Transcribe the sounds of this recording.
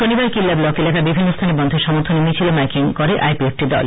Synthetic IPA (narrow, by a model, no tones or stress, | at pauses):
ʃonibaɾkilːablɔkelakabibʱinːost̪ʰanebɔnd̪ʱeɾʃɔmoɾt̪ʰonemit͡ɕʰilomajkiŋkɔɾeʔajpiek̚ʈid̪ɔ̰l